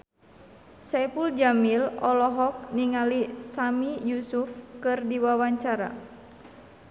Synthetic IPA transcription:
sɛpuld͡ʒamilɔlɔɦɔk̚niŋalisamijusufkɨrdiwawaɲt͡ʃaɾa̰

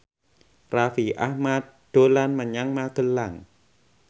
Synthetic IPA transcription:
rafiʔa̰hmat̚d̥olanmanɲaŋmaːkənlaŋ

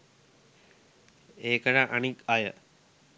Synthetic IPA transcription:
eːkəʈaʔanikajə̰

